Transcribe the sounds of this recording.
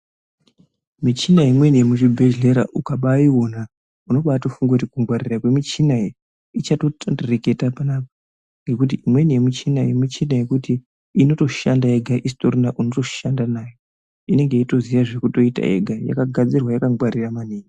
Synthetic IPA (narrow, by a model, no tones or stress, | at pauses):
mit͡ʃinajimwe̞nijemuʐibʱeʒle̞ɾa̰ʔukaɓaio̞na | uno̞ɓatofuŋɡautikuŋɡwaɾirakwe̞mit͡ʃinaje | it͡ʃato̞tʰondereke̞tapanaːpa | ŋɡe̞kut̬iimwe̞nije̞mut͡ʃinajemit͡ʃinaje̞kuti | ino̞to̞ʃandaeɡʱaʔistorinaʔuno̞to̞̥ʃandanaːjo | ine̞ŋɡe̞ito̞zijaʐekuto̞ita̰ḛɡʱaja̰kaɡʱad͡zirwajakaŋɡwaɾiramaneːni